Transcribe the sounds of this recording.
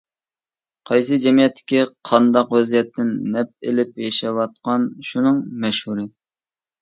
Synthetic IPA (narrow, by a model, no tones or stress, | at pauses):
qʰɑjs̬ɨd͡ʒɛmijɛt̪ːɪ̥kʲiqʰɑnd̪ɑqwɛzijɛt̪ʰːɪnːɛp̚elɪpjɛʃɛwɑt̪̚qɑnʃunɨŋmɛʃhuɾɨ